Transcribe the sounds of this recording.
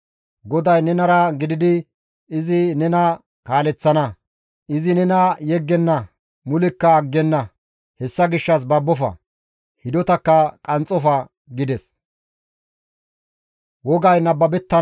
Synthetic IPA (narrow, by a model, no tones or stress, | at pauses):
ɡɔd̪ɐjnɛnɐɾɐɡɪd̪ɪd̪ɪ | ɪzɪnɛnɐ | kaːlɛt͡sːɐnɐ | ʔɪzɪnɛnɐjɛɡːɛnːɐ | mʊlɪkːɐːɡːɛnːɐ | hɛsːɐɡɪʃːɐs̬bɐbːɔfɐ̰ | hɪd̪ɔt̪ɐkːɐkʼɐnt͡sʼɔfɐ | ɡɪd̪ɛs | wɔɡɐjnɐbːɐbɛt̪ːɐ